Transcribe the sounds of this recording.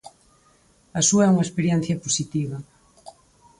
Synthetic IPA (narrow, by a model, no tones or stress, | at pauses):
ɐsuɐɛuŋɐespeɾjɛn̟θjɐposit̪iβɐ